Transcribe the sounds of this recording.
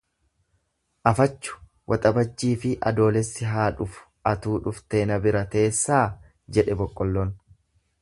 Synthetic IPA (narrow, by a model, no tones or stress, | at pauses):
ʔɐfɐt͡ʃːʊ̥ | wʔɐt̪ʼɐbɐt͡ʃːiːfɪʔɐ̰d̪o̞ːlɛsːɪɦaːᶑʊfʊ̥ | ɐt̪uːᶑʊft̪e̞ːnɐbɪɾɐt̪e̞ːsːaː | d͡ʒɛᶑɛbɔkʼːɔlːɔn